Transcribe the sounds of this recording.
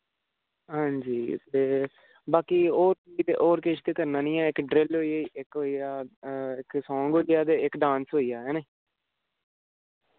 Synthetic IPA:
ɦãːɲd͡ʒiːt̪eː | baːkiːoːɾiːd̪eːʔoːɾkeːʃt̪eːkəɾnãːnĩːɛːɪkɖɾɪlɦoːieːiʔɪkɦoːiːjaːɪksɔ̃ːŋɡɦoːijaːd̪eːɪkɖãːnsɦoːijaːɦɛːnẽː

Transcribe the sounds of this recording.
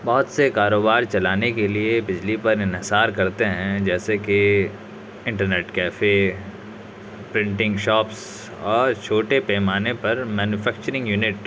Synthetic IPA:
bɔɦʊt̪sekaːɾoːbaːɾt͡ʃɐlaːnekeliebɪd͡ʒlipɐɾɪ̃nɦɪsaːɾkɐɾt̪eɦɛ̃d͡ʒɛːseke | ɪ̃ɳʈəɾneːʈkɛːfe | pɾɪ̃ɳʈɪ̃ŋɡʃɔːps | ɔːɾt͡ʃʰoːʈepɛːmaːnepɐɾmɛːnjufɛːk̚t͡ʃəɾɪ̃ŋɡjuːnɪʈ

